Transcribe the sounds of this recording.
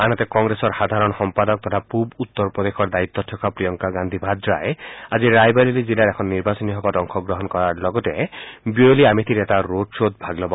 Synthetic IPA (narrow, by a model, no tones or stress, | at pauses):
anɔt̪ekɔŋɡɾesɔɾhad̪ʱaɾɔnɔxɔmpad̪ɔk̚t̪ɔt̪ʰapubut̪ːɔɾpɾɔd̪exʰɔɾd̪ait̪ːɔtʰːɔkapɾijɔŋkaɡand̪ʱibʱad̪ɾaead͡ʒiɾajbaɾilid͡ʒilaɾekʰɔnːiɾbasɔniɦɔbadɔŋkʰɔɡɾɔɦɔnkɔɾaɾlɔɡɔtebioliamit̪ʰiɾetaɾodsod̪̚bʱaɡlɔb